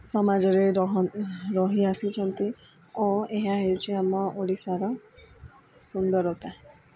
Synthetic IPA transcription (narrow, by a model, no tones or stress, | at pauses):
sɔmad͡ʒɔɾeɾɔɦɾɔɦiasit͡ʃʰɔnt̪i | oeɦaɦewt͡ʃʰiamɔʔoɽisaɾɔ | sund̪ɔɾɔwt̪ʰaɦẽ